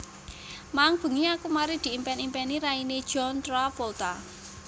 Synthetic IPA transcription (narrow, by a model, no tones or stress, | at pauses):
maŋb̥ṳŋiakumaɾid̪̥i̤impɛnimpɛniɾaini̥ʒ̥ɔnt̪ɾapɔlt̪a